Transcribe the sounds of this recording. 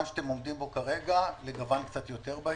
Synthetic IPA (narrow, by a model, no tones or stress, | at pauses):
mʃḁt̪emo̞md̪imbo̞kaʁe̞ɡaleɡavankt͡sat̪jo̞t̪e̞ʁba